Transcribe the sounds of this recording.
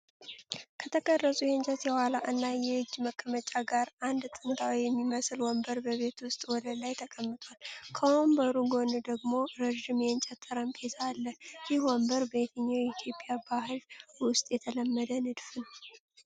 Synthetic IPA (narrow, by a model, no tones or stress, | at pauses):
kʰət̪ʰəkʰʼərːəsʼujɛnt͡ʃʼɛt̪jɛwalaʔɨnːajɛhɨd͡ʒːməkʰʼːəmət͡ʃʼaɡaɾand̪t̪ʼɨnt̪ʰʼawijɛmːiməsɨlwɔmbəɾbəβe̞t̪wʊst̪ʼwɔd̪əlajt̪ʰəkʼəmːɨt̪ʰʼwalkʰəwɔmbəɾuɡo̞nɨd̪əɡmo̞ɾəʒɪmjɛnt͡ʃʼɛt̪ʰːɨɾəmkʰesʰalːəjɪhwɔmbəɾbəjɛt̪ʰəɲːawjɛit̪ʰjo̞pʼijabaɦɨlwʊst̪ʼjɛt̪ʰələmːəd̪ənɨd̪fɨn